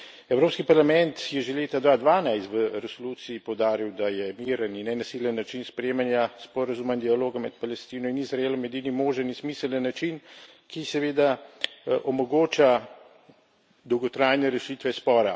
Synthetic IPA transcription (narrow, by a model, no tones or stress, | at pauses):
ɛwɾoːpskipaɾlamɛnt̪jɛʒeleːt̪ad̪ʋaːd̪ʋaːnajst̪ʋəɾɛsoluːt̪siipɔwd̪aːɾiwd̪ajɛmiːɾəninːɛnasiljənːat͡ʃinspɾɛeːmanjaspɔɾazuːmaind̪ijaloːɡamɛt̪palɛst̪iːnɔinizɾaeːlɔmɛd̪iːnimoːʒənismiːsələnːat͡ʃin | kisɛʋeːd̪a | ʔɔmɔɡoːt͡ʃa | d̪ɔwɡɔt̪ɾaːjnɛɾɛʃiːt̪ʋɛspɔːɾa